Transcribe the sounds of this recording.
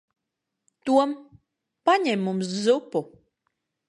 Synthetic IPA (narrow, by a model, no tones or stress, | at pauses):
t̪uɔm | paɲɛmːumszupu